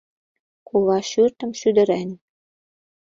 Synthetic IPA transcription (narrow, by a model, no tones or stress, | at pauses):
kuβɑʃyrt̪ə̆mʃyd̪ə̆ɾæn